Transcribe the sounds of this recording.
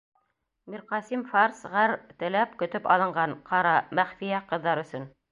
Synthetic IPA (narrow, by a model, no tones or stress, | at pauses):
miɾqɑsimfɑɾsʁæɾt̪ɘ̆læpkɵ̆t̪ɵpɑ̰lˠɤ̆ɴɢɑnqʰɑɾɑmæχfijæqɤ̆ðːɑɾɵ̆sɵn